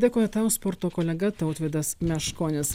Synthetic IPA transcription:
d̪ʲeːkoːjɛt̪ɑʊspɔɾt̪oːkoːlʲɛɡɐt̪ɐʊt̪ʲʋʲeːd̪ɐsmʲɛʃkoːnʲɪs

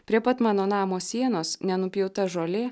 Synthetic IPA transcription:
pʲɾʲiɛpɐt̪mɑːnoːnɑːmoːsʲiɛnoːsnʲɛnʊpʲjɛʊt̪ɐʒoːlʲe

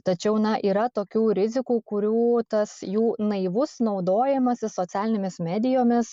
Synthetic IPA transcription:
t̪ɐt͡ʃʲɛʊnɐʔiːɾɐt̪oːkʲuːɾʲɪzʲɪkuːkʊɾʲuːt̪ɐsjuːnɐɪʋʊsnɒʊd̪oːjɛmɐsʲɪsoːt̪sʲæːlʲɪnʲemʲɪsmʲæːd̪ʲɪjoːmʲɪs

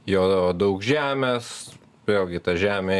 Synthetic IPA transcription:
joːd̪ɐʊkʒʲæːmʲeːs | ʋʲeːlʲɡʲɪt̪ɐʒʲæːmʲeː

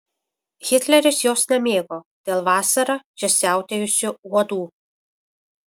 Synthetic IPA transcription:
xʲɪt̪ʲlʲɛɾʲɪsjoːsnʲɛmʲeːɡoːd̪̥ʲeːlˠʋɑːsɐɾɑʒʲɛsʲæˑʊt̪ʲejʊsʲʊuɔd̪uː

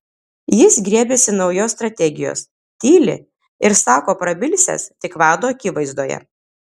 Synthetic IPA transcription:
jɪsɡɾʲiɛbʲeːsʲɪnɒʊjoːsːt̪ɾɐt̪ʲɛɡʲɪjo̰ːs | t̪ʲiːlʲɪ̰ | ɪɾsɑːkoːpɾɐbʲɪlʲsʲɛ̰st̪ʲɪkʋɑːd̪oːɐkʲɪʋɐɪzd̪oːjɛ̰

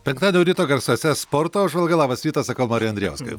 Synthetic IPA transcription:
pʲɛŋkt̪ɑːd̪ʲnʲɛʊɾʲiːt̪oːɡɐɾsoːsʲɛspoːɾt̪oːʊʒʋɐlˠɡɐlˠɑːʋɐsʲiːt̪ɐsɐkɐʊmɑːɾʲɛjɐnd̪ʲɾʲɛ̰ʊskɐ̰

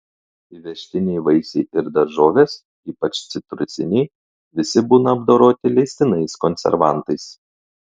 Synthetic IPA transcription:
ɪʋʲɛʃʲt̪ʲɪnʲɛɪʋɐɪsʲɛɪɪɾd̪ɐɾʒoːʋʲeːs | iːpɐt͡ʃt̪sʲɪt̪ɾʊsʲɪ̰nʲɛɪ | ʋʲɪsʲɪbuːnɐːb̚d̪oːɾoːt̪ʲɪlʲɛɪsʲt̪ʲɪnɐɪskɔnʲsʲɛ̰ɾʋɑˑnt̪ɐɪs

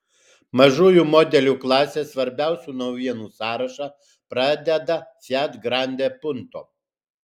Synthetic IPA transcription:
mɐʒuːjuːmɔːd̪ʲɛlʲuːklˠɑːsʲeːsʋɐɾʲbʲæˑʊsʲuːnɐʊʋʲiɛnuːsɑːɾɐʃɑ | pɾɑːd̪ʲɛd̪ɐsʲæːt̪ɡɾɑˑnʲd̪ʲeːpʊnt̪o̰ː

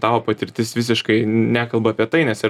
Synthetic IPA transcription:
t̪ɑːʋoːpɐt̪ʲɪɾʲt̪ʲɪsʋʲɪs̬ʲɪʃkɐɪnʲæːkɐlˠbɐɐpʲiɛt̪ɐɪnʲɛsɪ

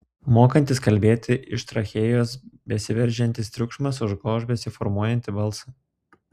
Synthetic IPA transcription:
moːkɐnʲt̪ʲɪskɐlʲbʲeːt̪ʲɪʔɪʃt̪ɾɐxʲeːjoːsbʲɛsʲɪʋʲɛɾʲʒʲɛnʲt̪ʲɪst̪ʲɾʲʊkʃmɐsʊʒɡoːʒbʲɛsʲɪfɔɾmuɔjɛnʲt̪ʲɪbɐlˠsɐ

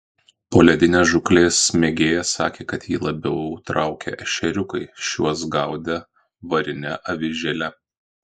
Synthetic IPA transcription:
poːlʲɛd̪ʲɪnʲeːʒʊklʲeːsmʲeːɡʲeːjɛsɑ̰ːkʲeːkɐt̪jiːlˠɐbʲɛʊt̪ɾɑˑʊkʲɛ̰ʔɐʃʲɛɾʲʊkɐɪʃʲuɔs̬ɡɑʊd̪ʲɛ | ʋɐɾʲɪnʲɛʔɐʋʲɪʒʲɛlʲɛ

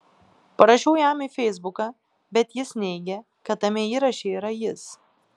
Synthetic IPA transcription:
pɐɾɐʃʲɛʊjæmiːfʲɛɪzbʊkɑː | bʲɛt̪jɪsnʲɛɪɡʲɛ | kɐt̪ɐmʲɛiːɾɐʃʲeiːɾɐjɪs

